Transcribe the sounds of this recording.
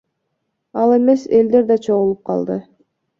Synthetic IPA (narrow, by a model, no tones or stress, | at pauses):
ɑlˠe̞me̞se̞ld̪e̞ɾd̪ɑt͡ʃʰo̞ʁulˠup̚qʰɑ̰lˠd̪ɯ